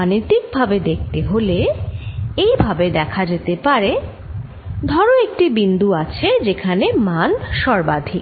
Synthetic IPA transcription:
anit̪ik̚bʱabed̪ek̚ʰt̪eɦole | ejbʱabed̪ɛkʰad͡ʑet̪epaɾe | d̪ʱɔɾoek̚ʈibind̪uat͡ɕʰed͡ʑekʰanemanʃɔɾbad̪ʱik

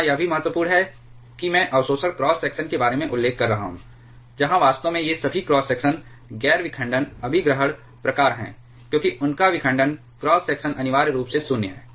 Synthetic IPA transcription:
ãjɐbʱimɐɦət̪wəpuːɾɽnɦɛ | kimɛ̃ːʔɐʋsoːsəɽkɾɔːsːɛːksənkebaːɾemẽʔʊlːeːkʰːɐɾːɐɦa̰ɦṵ̃ː | d͡ʒɐɦãʋaːst̪õmẽjesɐbʱikɾɔːsːɛːksən | ɡɛːɾʋɪkʰə̃ɳɖənɐbʱiɡɾəɦəɽ | pɾɐkaːɾɦɛ̰̃ː | kjõːkiʔʊnkaʋɪkʰə̃ɳɖən | kɾɔːsːɛːksənʔɐnɪʋaːɾɾuːpsesʊnjəɦɛ̰ː

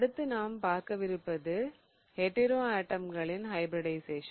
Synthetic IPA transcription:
ɐɽɯt̪ːɯnaːmpaːɾkɐʋɪɾɯpːɐðɯ | hɛʈːɪɾoːaːʈːɐmɡɐɭɪnɦɐɪbɾɐɽɐɪseːʃɐ

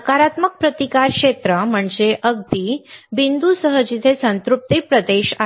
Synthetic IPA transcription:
kaɾat̪mək̚pɾət̪ikaɾkʂet̪ɾəm̤əɳd͡zeʔəɡ̚d̪ibind̪usəɦəd͡ʑit̪ʰesənt̪ɾup̚t̪ipɾəd̪eɕa

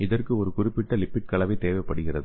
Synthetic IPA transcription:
ɪðɐrkɯɔɾɯkʊrɪpːɪʈːɐlɪpːɪʈ̚kɐɭɐʋɐɪt̪ːeːʋɐɪpːɐɽɯɣɪrɐðɯ

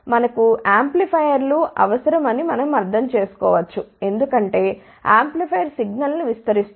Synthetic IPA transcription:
mɐnɐkuaːmplipʰɐjɐɾluʔɐʋɐsɐɾɐmɐnimɐnɐmɐɾd̪ʱɐmt͡ʃe̞ːsu̥kɔːʋɐt͡ʃːue̞nd̪ukɐɳʈe̞ː | a̰ːmplipʰɐjɐɾsiɡnɐlnuʋist̪ɐɾist̪

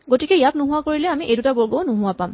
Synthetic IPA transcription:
ɡotikɛjap̚nʊɦʊakoɹilɛamiʔedutabɔɹɡownʊɦʊwapam

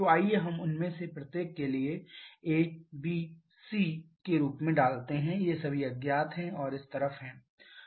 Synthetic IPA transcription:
d͡ʒoaːieɦɐmʊnmẽsepɾɐt̪jeːkːelieeːt͡ʃbi | siː | keɾuːpmẽɖaːlt̪eɦɛ̃jesɐbʱiɐɡjaːt̪ɦɛ̃ɔːɾɪst̪ɐɾəfɦɛ̃ː

